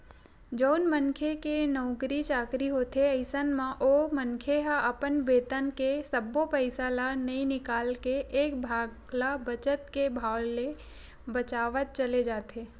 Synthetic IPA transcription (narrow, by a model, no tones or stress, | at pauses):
d͡ʒəʊnmənkʰekenɔʊkɾit͡ʃaːkɾiɦoːt̪eəɪsənmãʔomənkʰeɦaʔəpənbeːt̪ənkesəbopəɪsalanəĩnɪkaːlkeʔːkbʱaːɡ | labət͡ʃət̪kebʱaːlːe | bət͡ʃaːʋət̪̚t͡ʃəled͡ʒaːt̪ʰeː